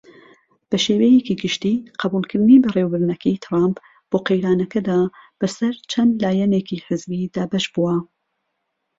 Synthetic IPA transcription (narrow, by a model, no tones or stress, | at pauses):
b̥ɐʃeːwɛjekiɡɨʃt̪iːqʰɐbuːlˠkʰɨɾnibɐrewbɨɾnɐkʰɛjt̪ʰɾamp | b̥oːqejɾaːnɐkɐd̪aːb̥ɐsɐɾt͡ʃʰɐnd̪laːjɛnekiħɪzbiːd̪aːbɐʃbuwɐ